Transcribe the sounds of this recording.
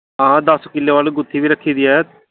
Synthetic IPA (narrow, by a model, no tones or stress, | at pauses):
ɦãːd̪əskɪlːeːʋaːleɡʊt̪ʰːiːʋiːɾəkʰːiːd̪iːɛː